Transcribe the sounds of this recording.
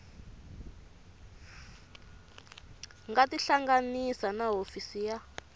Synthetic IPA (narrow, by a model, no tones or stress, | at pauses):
ŋɡatiɬaŋɡanisanaɦofisija